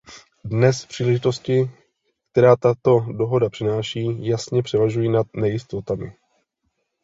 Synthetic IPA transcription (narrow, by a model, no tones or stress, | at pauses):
dnɛspr̥iːlɛʒɪt̪o̞scɪ | k̚t̪ɛɾaːt̪at̪o̞do̞ɦo̞dapr̝̥ɪnaːʃiːjasɲɛpr̥ɛvaʒujiːnat̪nɛjɪst̪o̞t̪amɪ̰